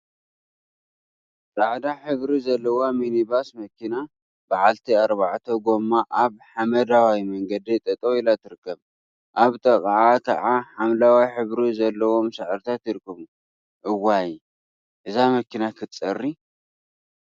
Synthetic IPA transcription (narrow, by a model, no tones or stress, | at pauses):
t̪ʼaʕd̪aħɨβɾizɐlːɐwominibasmɐkʰina | baʕalt̪ʰiaɾbaʕt̪ʰoɡo̞mːaʔaβħamɐd̪awajmɐŋɡɐd̪it̪ʼɐt̪ʼoilat̪ʰɨɾɨkːɐβ | ʔaβt̪ʼɐkʼʕat̪ʰa̰ʕaħamlawajħɨβɾizɐlːɐwo̞msɨʕɨɾt̪ʰat̪jɪɾkʰʼːɨβu | ʔɨwːaji | ʔɨzamɐkinakʰɨt͡sʼɐrːi